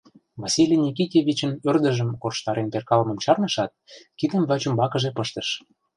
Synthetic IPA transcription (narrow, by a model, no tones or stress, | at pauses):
vɑsilʲinʲik̬itʲevʲit͡ɕə̆nørd̪ə̆ʒə̆mkorʃt̪ɑɾenperkɑlmə̆mt͡ɕɑrnɤ̆ʃɑt̪̚kid̪ə̆mvæt͡ɕumbɑkə̆ʒepəʃt̪əʃ